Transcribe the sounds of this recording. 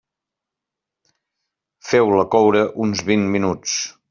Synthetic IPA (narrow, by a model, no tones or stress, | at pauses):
fɛwləkɔwɾəʔunzβinminut͡s